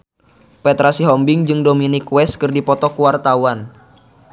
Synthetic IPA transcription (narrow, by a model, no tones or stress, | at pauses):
pɛt̪ɾasiɦɔmbɪŋd͡ʒɨŋdominikwɛskɨrdipɔt̪ɔkuwart̪awan